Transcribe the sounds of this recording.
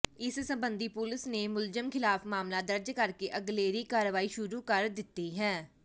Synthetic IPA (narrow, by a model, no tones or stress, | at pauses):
ɪssəmbənd̪iːpʊlɪsneːmʊlzəmkʰɪlaːfmaːmlaːd̪əɾd͡ʒkəɾkeːʔəɡleːɾiːkaːɾʋaːiːʃʊɾuːkəɾd̪ɪt̪ːiːɦɛ̃ː